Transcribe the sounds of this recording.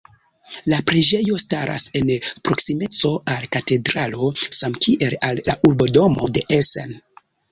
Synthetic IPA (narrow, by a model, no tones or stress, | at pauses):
lapɾed͡ʒe̞jo̞staɾʔa̰se̞npɾo̞ksime̞t͡so̞ʔalkate̞dɾalo̞samkiʔe̞lalːa̰ʔuɾbo̞do̞mo̞de̞ʔesḛn